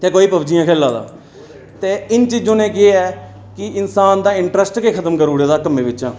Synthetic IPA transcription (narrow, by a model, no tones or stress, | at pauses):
t̪eːkoːiːpəbd͡ʒijãːkʰɛːlːaːd̪a̰ː | t̪eːɪnt͡ʃiːd͡ʒoːnẽːk̬ɪeɛː | kɪɪnsaːnd̪aːɪɳʈɾəsʈkeːkʰət̪əmkəɾuːɽeːd̪aːkəmẽːʋɪt͡ʃãː